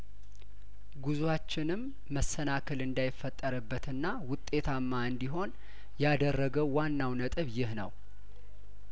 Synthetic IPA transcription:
ɡuzuwat͡ʃːɪnɨmː | əsːənakʰəlɨnd̪ajɪfːət̪ʼːəɾɨbːət̪ɨnːawʊt̪ʼːe̞t̪ʰamːaɨnd̪iɦo̞n | jad̪ərːəɡəwwanːawnət̪ʼɨβjɪhnə̰w

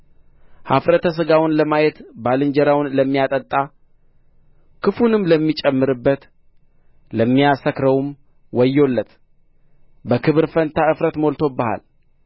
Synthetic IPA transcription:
ha̰fɾət̪ʰəs̬ɨɡawʊnləmajɛt̪balɨnd͡ʒəɾawnləmːijat̪ʼət̪ʼːa | kʰɨfunɨmləmːit͡ʃʼɛmːɨɾɨbːət̪ | ləmːijasəkɾəwum | wɔjːo̞lːət̪ | bəkʰɨβɨɾfənt̪ʰaɨfɾət̪mo̞lt̪ʰo̞bəha̰l

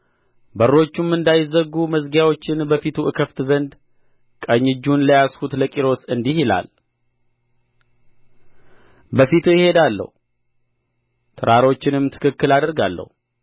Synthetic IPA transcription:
bəɾːo̞t͡ʃːumːɨnd̪ajɪzəɡuməzɡjawo̞t͡ʃːɪnbəfit̪ʰuɨkʰəft̪zənd̪ | kʼəɲːɪd͡ʒːunləjashut̪ləkʼiɾo̞sɨnd̪ihɪla̰l | bəfit̪ʰujɪhe̞d̪alːə̰hu | t̪ʰɨɾʔaɾo̞t͡ʃːɪnɨmt̪ʰɨ̥kʰɨkːɨlad̪əɾɡalːə̰hu

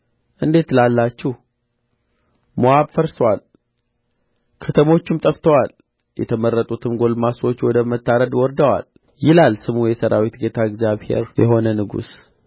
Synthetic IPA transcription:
ʔɨnd̪e̞t̪lalːat͡ʃːɪh | mowaβfəɾswal | kʰət̪ʰəmo̞t͡ʃːumt̪ʼəft̪ʰəwal | jɛ̰t̪ʰəmərːət̪ʼut̪ʰɨmɡo̞lmaswo̞t͡ʃːwɔd̪əmət̪ːaɾəd̪wɔɾd̪əwa̰l | jɪlalsɨmujɛsəɾa̰wit̪ɡe̞t̪ʰaɛɡzjaβhe̞̰ɾjɛ̰ɦo̞nənɨɡṵs

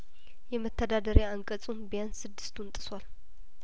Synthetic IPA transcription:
jɛmət̪ʰːəd̪ad̪əɾjaaŋkʼət͡sʼunbjansɨd̪ːɨst̪ʰunt̪ʼɨswal

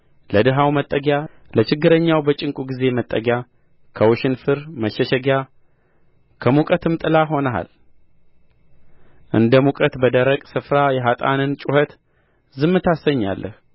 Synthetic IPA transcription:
ləd̪ɨɦawmət̪ʼːəɡja | lət͡ʃɪɡːɨɾəɲːawbət͡ʃʼɪŋkʼuɡize̞mət̪ʼːəɡja | kʰəwʊʃɪnfɨɾməʃɛʃɛɡja | kʰəmukʼət̪ʰɨmt̪ʼɨlaɦo̞nəɦa̰l | ʔɨ̰nd̪əmukʼət̪bəd̪əɾəkʼsɨfɾajɛɦat̪ʼa̰nɨnt͡ʃʼuhət̪ | zɨmːɨt̪ʰasəɲːa̰lːʔə̰h

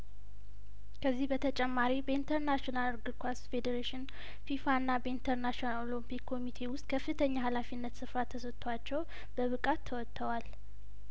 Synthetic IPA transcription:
kʰəzːihbət̪ʰət͡ʃʼɛmːaɾibəint̪ʰəɾnaʃonalɾɡɨɾkʰwasfe̞d̪əɾeʃɪn | fifaɨnːabəint̪ʰəɾnaʃnalolompikʰːo̞mit̪ʰe̞wʊst̪̚ʼkʰəfːɨt̪ʰəɲːahalafinːət̪sɨfɾat̪ʰːəsət̪ʰʼːwat͡ʃːɛw | b̥əβɨkʼat̪ʰːəwɔt̪ʰːəwal

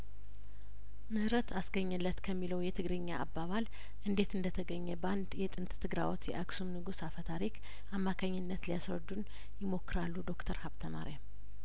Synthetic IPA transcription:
mɨhɨɾət̪asɡəɲːɨlːət̪kʰəmːiləwjɛt̪ʰɨɡɾɨɲːaʔːbːaβal | ʔɨnd̪e̞t̪ɨnd̪ət̪ʰəɡəɲːɛband̪jɛt̪ʼɨnt̪t̪ʰːɨɡɾa̰wɔt̪jɛ̰ʔaksumnɨɡusafət̪ʰaɾik | ʔamːakʰaɲːɨnːət̪lijasɾə̰d̪ːun | jɪmo̞kːɨɾalːud̪o̞kt̪ʰəɾhaβt̪ʰəma̰ɾja

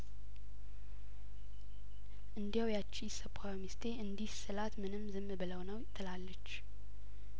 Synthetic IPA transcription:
ʔɨnd̪ijawjat͡ʃːiɪsəpʰːajmist̪ʰe̞ʔɨnd̪ihsɨlat̪mɨnɨmzɨmbɨləwnəwjɪt̪ʰːɨlalːət͡ʃː

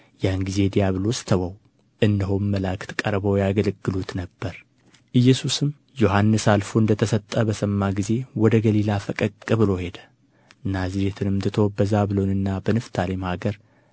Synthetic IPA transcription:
jahnɡize̞d̪ijaβɨlost̪ʰəwəw | ʔɨnːɨɦonːəlakʰɨ̥t̪kʼəɾbəwjaɡələɡːɨlut̪nəbːəɾ | ʔɨjːɛsusɨm | jo̞ɦanːɨsalfoɨnd̪ət̪ʰəsət̪ʼːəbəsəmːaɡize̞wɔd̪əɡəlilafəkʼəkʼːɨβɨlo̞he̞d̪ə̥ | naziɾet̪ʰɨnɨmd̪ɨt̪ʰo̞bəzaβɨlo̞nɨnːabənɨft̪ʰalemhaɡəɾ

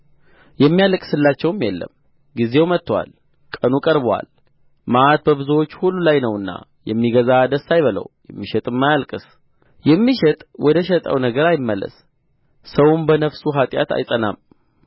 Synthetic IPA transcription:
jɛmːijalkʼsɨlːat͡ʃːɛwmjɛlːə̰m | ɡize̞wmət̪ːwa̰l | kʼənukʼəɾbwa̰l | maʔat̪̚bəβɨzuwo̞t͡ʃːhulːulajnəwɨnːa̰jɛmːiɡəzad̪əsːajβələ̰wjɛmːiʃɛt̪ʼɨmːajalkʼɨs | jɛmːiʃɛt̪ʼwʔɔd̪əʃɛt̪ʼə̰wnəɡəɾajɪmːəlːə̰sː | əwʊnbənəfsuɦat̪ʼja̰t̪ʰa̰jsʼəna̰m

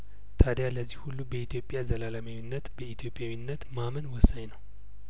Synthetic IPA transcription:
t̪ʰad̪jaləzːihhulːubəit̪ʰjo̞pʼːjazəlalamawinːət̪bəit̪ʰjo̞pʼjawinːət̪mamənwɔsːaɲnəw

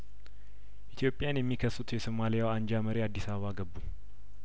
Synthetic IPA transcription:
ʔit̪ʰjo̞pʼjanjɛmːikʰəsut̪ʰjɛsomalijawaɲd͡ʒaməɾiad̪ːisaβəβaɡəbːu

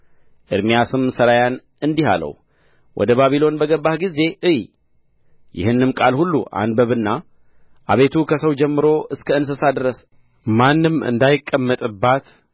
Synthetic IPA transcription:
ʔɨɾmijasɨmsəɾajan | ɨnd̪iha̰lə̰w | wʔɔ̰d̪əβaβilo̞nbəɡəbːahɡize̞ʔɨj | jɪ̰hɨnːɨmkʼalhulːṵʔa̰nbəβɨnːa | ʔa̰βe̞t̪ʰukʰəsəwd͡ʒɛmːɨɾo̞ʔɨskʰəɨns̬ɨsad̪ɾəs | manːɨmɨ̰nd̪ajɪkʼːəmːət̪ʼɨbːat̪

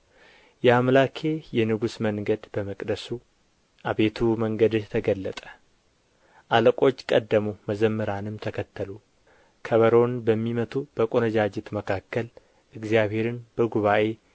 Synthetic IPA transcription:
jɛamlakʰe̞jɛnɨɡusməŋɡəd̪bəməkʼd̪əsu | ʔaβe̞t̪ʰuməŋɡəd̪t̪ʰəɡəlːət̪ʼə̥ | ʔaləkʼo̞t͡ʃːkʼəd̪ːəmuməzəmːɨɾanɨmt̪ʰəkʰət̪ʰːəlu | kʰəβəɾo̞nbəmːimət̪ʰub̥əkʼonəd͡ʒad͡ʒɛt̪məkʰakːəl | ʔɨɡzijaβhe̞ɾɨnb̥əɡuβaʔe̞

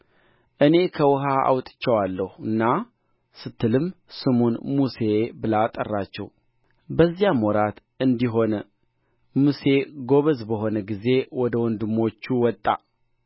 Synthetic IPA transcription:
ʔɨne̞kʰəwɔɦaa̰wt̪ʼɨ̥t͡ʃːɛwalːəhuɨnːa | sɨt̪ʰːɨlɨmsɨmunmuse̞bɨlat̪ʼə̰rːat͡ʃːɛ̰w | bəzːijamɔɾat̪ | ɨnd̪iɦo̞nə | muse̞ɡo̞βəzbəɦo̞nəɡize̞wɔd̪əwɔnd̪ɨmːo̞t͡ʃːuwɔt̪ʼːa̰

